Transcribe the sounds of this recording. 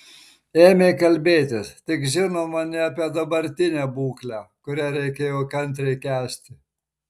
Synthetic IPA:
eːmʲekɐlʲbʲeːt̪ʲɪst̪ʲɪkʒʲɪnoːmɐnʲɪɐpʲiɛd̪ɐbɐɾʲt̪ʲɪnʲæːbuːklʲæːkʊɾʲæɾʲɛɪkʲeːjoːkɐnʲt̪̬ʲɾʲɛɪkʲæːsʲt̪ʲɪ

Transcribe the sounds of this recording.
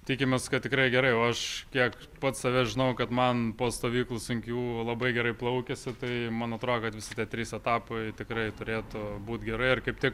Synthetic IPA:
t̪ʲiːkʲɪmʲɛskɐt̪tʲɪkɾɐɪɡʲɛɾɐɪoːɐʃkʲiɛk | pɐt̪sɐʋʲɛʒʲɪnɐʊkɐt̪mɐnpoːst̪oːʋʲiːklˠʊsʊŋʲkʲuːlˠɐbɐɪɡʲɛɾɐɪplˠɐʊkʲɛsʲɪt̪ɐɪmɐnɐt̪ɾoːd̪okɐt̪ʋʲɪsʲɪt̪ʲiɛt̪ʲɾʲiːsɛt̪ɑːpɐɪt̪ʲɪkrɐɪt̪ʊɾʲeːt̪ʊbuːt̪ɡʲɛɾɐɪɪrkɐɪp̚t̪ʲɪk

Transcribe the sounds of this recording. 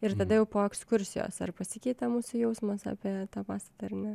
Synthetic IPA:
ɪrt̪ɐd̪ɐjɛʊpoːɛkskʊɾʲsʲɪjo̰ːsɐ̰rpɐsʲɪkʲɛɪt̪ɐmuːsʊjɛʊsmɐsɑ̰ːpʲiɛt̪ɑːpɑːst̪ɐt̪ɐɐrnʲɛ

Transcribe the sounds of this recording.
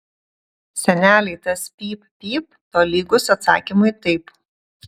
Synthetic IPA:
sʲɛnʲæːlʲɛɪt̪ɐspʲiːppʲiːp | t̪oːlʲiːɡʊsɐt̪sɑ̰ːkʲimʊɪt̪ɐɪp

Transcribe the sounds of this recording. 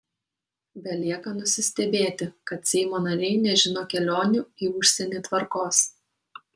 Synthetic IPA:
bʲɛlʲiɛkɐnʊsʲɪsʲt̪ʲɛbʲeːt̪ʲɪkɐt̪sʲɛɪmoːnɐɾʲɛɪnʲɛʒʲɪnoːkʲɛlʲoːnʲʊːiːʊʃʲsʲɛnʲeːt̪ʋɐɾkoːs

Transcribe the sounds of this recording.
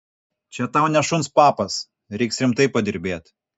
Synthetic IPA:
t͡ʃʲɛt̪ɑʊnʲɛʃʊnspɑːpɐs | ɾʲɛɪksɾʲɪmt̪ɐɪpɐd̪ʲɪɾʲbʲeːt̪

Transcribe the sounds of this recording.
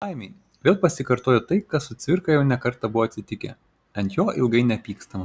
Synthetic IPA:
ɑɪmʲe | ʋʲeːlˠpɐsʲɪkɐɾt̪oːjɛt̪ɐɪkɐssʊt̪sʲʋʲɪɾkɐjɛʊnʲɛkɐɾt̪ɑbʊʋoːɐt̪ʲsʲɪt̪ʲɪkʲɛ̰ | ɐnt̪joːʔɪlˠɡɐɪnʲɛpʲiːkst̪ɐmɐ

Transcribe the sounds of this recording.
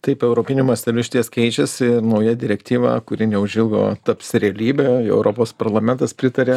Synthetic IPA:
t̪ɐɪpɛʊɾoːpʲɪnʲumɐsʲt̪ʲɛlʲʊʃʲɪt̪ʲiɛskʲɛɪt͡ʃʲɛsʲɪnɐʊjɛd̪ʲɪɾʲɛkt̪ʲiːʋɑ̰ːkʊɾʲɪnʲɛʊʒʲɪlˠɡo̰ːt̪ɐpʲsʲɾʲɛɐlʲiːbʲeːɛ̰ʊɾopoːspɐɾlˠɐmʲɛnt̪ɐspʲɾʲɪt̪ɐɾʲeː

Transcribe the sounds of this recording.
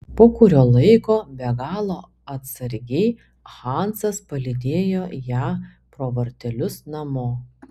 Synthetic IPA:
poːkʊɾʲoːlˠɐɪkoːbʲɛɡɑːlˠoː | ɐt̪sɐɾʲɡʲɛɪ | xɑˑnsɐspɐlʲɪd̪ʲeːjoːjæː | pɾoːʋɐɾʲt̪ʲɛlʲʊsnɐmʊː

